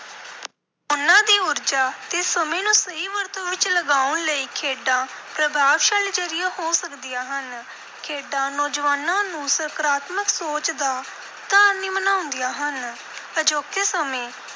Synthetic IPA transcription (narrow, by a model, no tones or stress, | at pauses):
ʊnãːd̪iːʊɾd͡ʒaːt̪esːəmẽːnũːsəiːʋəɾt̪õːʋɪt͡ʃləɡaːʊnləiːkʰeːɖãːpɾəbʱaːʋʃaːliːd͡ʒəɾɪjaːhoːsəkd̪ijaːɦən | kʰeːɖãːnɔːd͡ʒʋaːnãːnũːsəɾkɾaːt̪məksoːt͡ʃd̪aː | d̪̥aːɾniːmənaːʊ̃nd̪ijaːɦən | əd͡ʒoːkesəmẽː